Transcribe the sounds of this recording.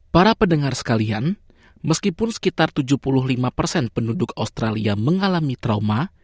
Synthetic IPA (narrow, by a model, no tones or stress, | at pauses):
paɾapənəŋarsə̥kalian | məskipʊnsə̥kit̪art̪ud͡ʒuhpulʊɦlimapərsɛnpəndudʊkaust̪ɾaliaməŋalamit̪ɾauma